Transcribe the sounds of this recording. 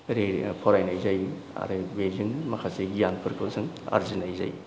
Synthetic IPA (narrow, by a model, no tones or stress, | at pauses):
ɾepʰɔɾajnajzaj | a̰ɾɯbeziŋmɐkʰaseɡijanpʰɯɾkʰɯsʰɯŋ | a̰ɾzinajza̰j